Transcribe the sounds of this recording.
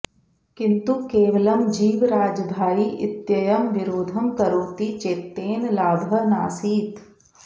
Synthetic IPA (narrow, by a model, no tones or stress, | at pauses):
kɪ̃nt̪ukeːʋəlɐmd͡ʒiːʋɾaːd͡ʒbʱaːiʔɪ̰t̪jɐjəmʋɪɾoːd̪ʱəmkɐɾoːt̪it͡ʃeːt̪ːeːnlaːbʱɐna̰ːsiːt̪